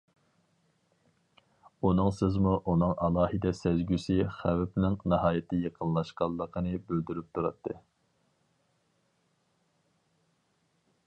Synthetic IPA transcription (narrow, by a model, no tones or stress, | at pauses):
unɨŋsɪzmuʔunɨŋʔɑlˠɑːhɨd̪ɛsæzɡʲysɪχæwpnɪŋnɨɦɑːjɪt̪ʰɪjeqʰənlˠɑʃqɑlˠːəqʰənɨbøld̪yɾyp̚t̪ʰuɾɑt̪ʰːɨ